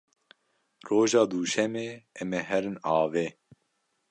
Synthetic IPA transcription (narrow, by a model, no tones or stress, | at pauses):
roːʒɑːd̪uːʃɛmeːɛmɛɦɛɾɨnɑːveː